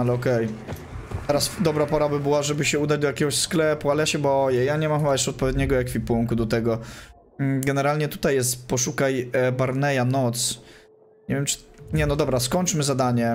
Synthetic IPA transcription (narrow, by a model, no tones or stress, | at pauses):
alɛɔkɛj | t̪ɛɾasd̪ɔbɾapɔɾabɘbɘwaʐɛbɘɕɛud̪ad͡ʑd̪ɔjakʲɛɡɔɕsklɛpualɛjaɕɛbɔjɛjaɲɛmamajɛʂt͡ʂɛɔt̪̚pɔvʲjɛd̪ɲɛɡɔjakfʲipuŋkud̪ɔt̪ɛɡɔ | ɡɛnɛɾalɲɛt̪ut̪ajːɛst̪pɔʂukajbaɾnɛjanɔt̪s | ɲɛvʲjɛmt͡ʂɘ̥ɲɛnɔd̪ɔbɾaskɔɲʲt͡ʂmɘzad̪aɲɛ